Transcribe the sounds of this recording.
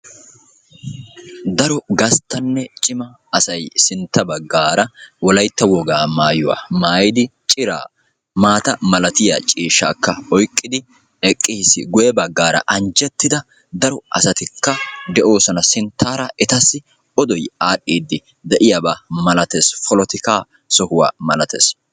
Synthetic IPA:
d̪ɐɾɔɡɐst̪ːɐnːɛt͡ʃʼɪmɐːsɐjsɪnt̪ːɐbɐɡːaːɾɐwɔlɐjt̪ːɐwɔɡaːmaːjʊwa̰ːmaːjɪd̪ɪt͡ʃʼɪɾa̰ː | maːt̪ɐmɐlɐt̪ɪja̰t͡ʃʼiːʃːa̰ːkːɐɔjkʼːɪd̪ɪ | ɛkʼːiːsɪ̰ɡʊjɛbɐɡːaːɾɐ̰ʔɐnd͡ʒɛt̪ːɪd̪ɐ | d̪ɐɾɔɐsɐt̪ɪkːɐd̪ɛʔo̞ːsɔnɐsɪnt̪ːaːɾɐɛt̪ɐsːɪ | ɔd̪ɔjaːɗiːd̪ːɪ | d̪ɛʔɪjabaːmɐlɐt̪eːsfɔlɔt̪ɪkaː | sɔhʊwa̰ːmɐlɐt̪ḛːs

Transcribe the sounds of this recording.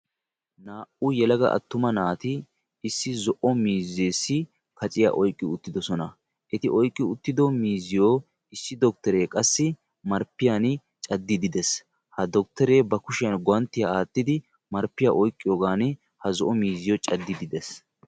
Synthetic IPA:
naːʔujɛlɐɡɐ̰ʔɐ̰t̪ːʊmɐnaːt̪ɪ | ɪsːɪzɔʔɔmiːzeːsːɪ | kʰɐt͡sʼɪja̰ːʔɔjkʼːɪʊt̪ːɪd̪ɔsɔnɐ | ʔɛt̪ɪʔɔjkʼːɪʊt̪ːɪd̪ɔmiːzɪjoː | ɪsːɪd̪ɔk̚t̪ɛɾe̞ːkʼɐsːɪ | mɐɾpːɪjan | t͡ʃʼɐd̪ːɪd̪ɪd̪ɛs | hɐd̪ɔk̚t̪ɛɾeːbɐkʊʃɪjɐnɡɔɐnt̪ːɪjaaːt̪ːɪd̪ɪ | mɐɾpːɪja̰ːʔɔjkʼːɪjoːɡaːn | hɐzɔʔɔmiːzɪjoːt͡ʃʼɐd̪ːɪd̪ɪd̪ɛs

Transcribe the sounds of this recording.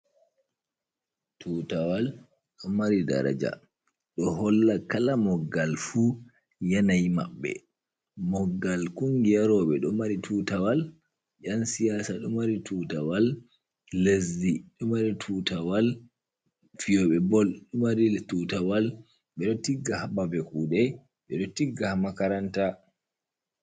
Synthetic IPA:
tʰuːtawal | ɗɔmaɾida̰ɾa̰d͡ʒa̰ | ɗɔɦɔlːakalamɔɡːalfu | janajma̰ɓːɛ̰ | mɔɡːalkuŋɡijaɾɔːɓɛɗɔmaɾitʰuːtawal | jansijaːsaɗumaɾituːtawalː | ezːiɗɔmaɾitʰutawal | fijɔɓɛbɔlɗumaɾitutawal | ɓɛɗɔtiɡːahabavɛkuːɗɛ | ɓɛɗɔtiɡːahamakaɾanta

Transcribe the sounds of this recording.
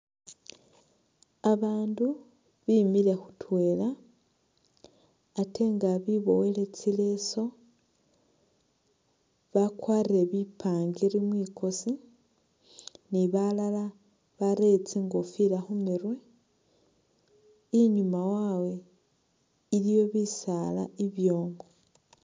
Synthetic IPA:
aβaːndu | βimile̞xu̥twe̞ːla | te̞ŋɡaβiβo̞wele̞t͡sile̞so̞ | βakwaːɾiɾe̞βipʰaːŋɡiɾimwiːkʰo̞si | niβalala | βaɾe̞t͡siŋɡofilaxumiɾwe̞ | iɲumawawe̞ | ilijo̞βisala̰iβjo̞ːŋɡo

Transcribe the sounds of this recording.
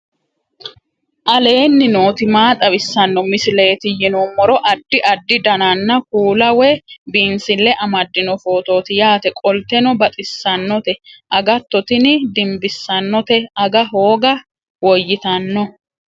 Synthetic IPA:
ʔɐle̞ːnːɪnoːt̪ɪmaːt̪ʼɐwɪsːɐnːɔmɪsɪle̞ːt̪ɪjɪnɔmːɔɾɔʔɐd̪ːɪʔɐd̪ːɪd̪ɐnɐnːɐkuːlɐwɛbiːnsɪlːɛʔɐmɐd̪ːɪnɔfo̞ːt̪o̞ːt̪ɪjaːt̪ɛkʼɔlt̪ɛnɔbɐt̪ʼɪsːɐnːɔt̪ɛʔɐɡɐt̪ːɔt̪ɪnɪd̪ɪmbɪsːɐnːɔt̪ɛɐɡɐɦo̞ːɡɐ | wɔjːɪt̪ɐnːɔ

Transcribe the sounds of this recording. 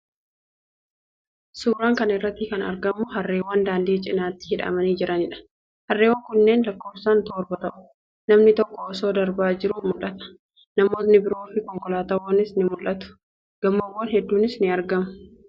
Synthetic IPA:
suːɾaːŋkɐnɪrːɐt̪ːɪkɐnɐ̰ɾɡɐmʊɦɐrːe̞ːwɐnd̪aːnd̪iːt͡ʃʼɪnaːt̪ːɪ̥hɪᶑɐ̰mɐniːd͡ʒɪɾʔɐnɪᶑɐ̥ | hɐrːe̞ːwːɐŋkʊnːe̞ːnlɐkːo̞ːbsaːnt̪oːɾbɐt̪ɐʔʊ̥ | nɐmnɪt̪ɔkːɔːso̞ːd̪ɐɾbaːd͡ʒɪɾʊmʊlʔɐt̪ɐ̥ | nɐmo̞ːt̪nɪbɪɾo̞ːfɪkɔŋkɔlaːt̪ɐwɐnɪsnɪmʊlʔɐt̪ʊ̥ | ɡ̥ɐmːɐwːɔnhɛd̪ːuːnɪsnɪɐɾɡɐmʊ

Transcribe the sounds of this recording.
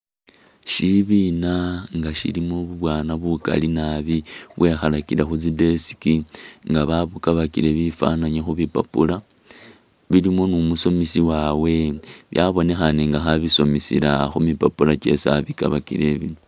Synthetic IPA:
ʃiβinaŋɡaʃḭlimoβuβwaːnaβuka̰linaβiβwe̞xalakilaxut͡sidesi̥kiŋɡaβaβukaβakiɾe̞βifa̰naɲexuβipa̰pula | βilimo̞numuso̞misiwawe̞βjaβo̞ne̞xaniŋɡaxaβiso̞misḭɾaxumipapulat͡ʃe̞sa̰βikaβakḭɾe̞βinu

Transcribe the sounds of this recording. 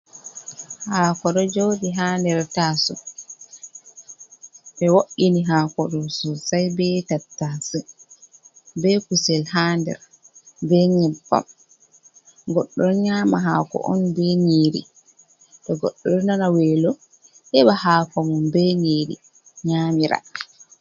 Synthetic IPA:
haːkɔɗɔd͡ʒodiɦaːndɛɾtaːsɔ̰ | ɓɛwoʔiniɦaːkɔɗɔsɔsajbɛtatːasɛ | bɛkusɛlhaːndɛ̰ɾ | bɛɲɛbːa̰m | ɡɔɗːɔɲaːmaɦaːkɔ̰ʔɔ̰nbɛŋiːɾḭ | ɗɔɡɔɗːɔɗnanawɛːlɔ | ʔɛɓahakɔmɔnbɛŋiɾḭ | ɲaːmiɾa̰

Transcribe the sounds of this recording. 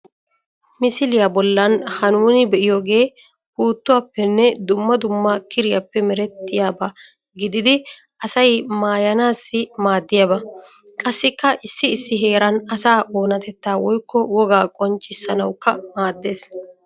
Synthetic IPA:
mɪsɪlɪjabɔlːɐnhɐnuːnɪbɛʔɪjo̞ːɡe̞ː | buːt̪ːʊwaːpːɛnːɛd̪ʊmːɐd̪ʊmːakʰɪɾɪja̰pːɛmɛɾɛt̪ːɪjaːbɐ | ɡɪd̪ɪd̪ɪ | ʔɐsɐjmaːjɐnaːsːɪmaːd̪ːɪjabɐ | kʼɐsːɪkːɐʔɪsːɪːsːɪɦe̞ːɾɐnɐsaːʔo̞ːnɐt̪ɛt̪ːaːwɔjkːɔwɔɡaːkʼɔnt͡ʃʼːɪsːɐnɐwkːɐmaːd̪ːe̞ːs

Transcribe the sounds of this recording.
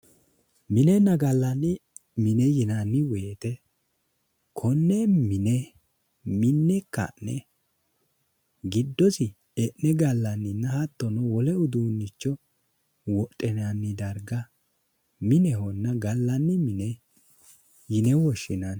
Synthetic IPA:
mɪnɛnːɐɡɐlːɐnːɪmɪnɛjɪnɐnːɪweːt̪ɛ | kʰɔnːɛmɪnɛ | mɪnːɛkːɐ̰nːɛ | ɡɪd̪ːɔsɪ | ɛnːɛɡɐlːɐnːɪnːɐhɐt̪ːɔnɔwɔlɛʊd̪uːnːɪt͡ʃːɔ | wɔtʼːɛnɐnːɪd̪ɐɾɡɐ | mɪnɛhɔnːɐɡɐlːɐnːɪmɪnɛ | jɪnɛwɔʃɪnɐn

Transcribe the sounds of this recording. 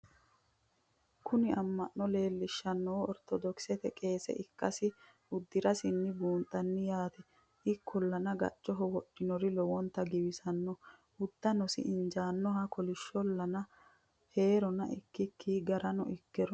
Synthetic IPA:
kʰʊnɪɐmːɐnːɔle̞ːlːɪʃːɐnːɔwɔɾt̪ʰɔd̪ɔksɛt̪ɛkʼe̞ːsɛ̰ʔɪkːɐsɪ | ʊd̪ːɪɾɐsɪnːɪbuːnt̪ʼːɐnːɪjaːt̪ɛ | ʔɪkːɔlːɐnɐɡɐ̰t͡ʃʼːɔɦɔwɔɗːɪnɔɾɪlɔwɔnt̪ːɐɡɪbɪsɐnːɔ | ʊd̪ːɐnɔsɪ̰ʔɪnd͡ʒaːnːɔɦɐkɔlɪʃːɔlːɐnɐ | he̞ːɾɔnɐʔɪkːɪkʰːiːɡɐɾɐnɔ̰ʔɪkːɛɾɔ

